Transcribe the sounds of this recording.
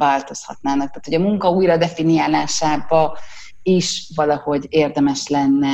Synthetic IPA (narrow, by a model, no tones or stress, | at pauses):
vaːlt̪o̞shɒ̰t̪naːnɒk̚t̪aːt̪ʰoɒmuŋkɒuːjrɒd̪ɛfinijaːlaːʃaːbɒ | iʃvɒlɒho̞ɟeːrd̪ɛmɛʃlɛnːɛ